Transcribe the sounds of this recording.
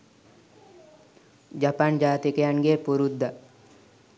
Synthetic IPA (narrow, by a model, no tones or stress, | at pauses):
d͡ʒapand͡ʒaːt̪ikejanɡepuɾud̪ːa